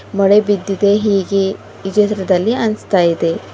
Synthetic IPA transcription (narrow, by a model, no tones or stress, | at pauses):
mɔɽebid̪ːid̪e̞ɦiːɡe | id͡ʒɐt̪ɾɐd̪ɐlːiɐnst̪aːjid̪e̞